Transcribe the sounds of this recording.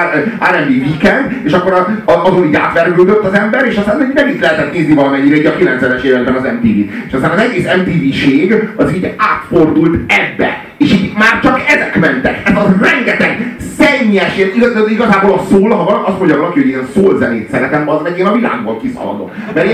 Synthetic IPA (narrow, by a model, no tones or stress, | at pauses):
a̰ːɾɛmdiːvikɛnd̪eːʃɒkːoɾɒɒzoniːɟa̰ːt̪ʋɛrɡyld̪øt̪ːɒzɛmbɛɾeːʃɒst̪aːnɛnɛmit̪lɛɦɛt̪ɛt̪neːznivɒlɒmɛɲːiɾɛiːɟɒkilɛnt̪sɛnɛʃeːvɛɡbɛnɒzɛmt̪iːviːeːʃɒst̪aːnɒzɛɡeːsɛmt̪iːviːʃeːɡɒziːɟaːt̪fo̞rd̪ult̪ɛbːɛ̰ | eːʃiːmaːrt͡ʃɒkɛzɛkmɛnt̪ɛkɛzɒrɛŋɡɛt̪ɛɡsɛɲːɛʃeniɡɒiɡɒzaːboːlɒsoːlɒɦɒvɒɒst̪mo̞ɲɟɒvɒlɒkihoeːnsoːlzɛneːt̪sɛɾɛt̪ɛmbznɛɟeːnɒvila̰ːɡboːlkisɒ̰lɒ̰d̪o̞̰t̪ | mɛɾeː